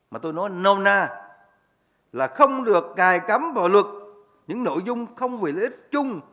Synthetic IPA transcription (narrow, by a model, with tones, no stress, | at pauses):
maː˨˩t̪o˧jnɔ˨˦jnə˧wnaː˧˩ | laː˨˩xə˧wŋ͡mɗɨ˨˩ək̚kaː˨˩jka˨˦mvaː˨˩wlwə˨˩t̚ | ɲɨ̰˧˥ŋno̰˧˨jzʊ˧ŋ͡mxə˧wŋ͡mve˨˩le˧˨˦t̚t͡ɕʊ˧ŋ͡m